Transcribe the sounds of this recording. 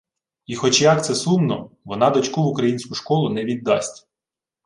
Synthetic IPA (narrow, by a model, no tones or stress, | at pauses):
ixɔt͡ʃjɐk̚t̪sɛsumnɔ | ʋɔnɑd̪ɔt͡ʃkuʋʊkɾɐjinʲsʲkʊʃkɔlˠʊnɛʋʲid̪ːɑsʲtʲ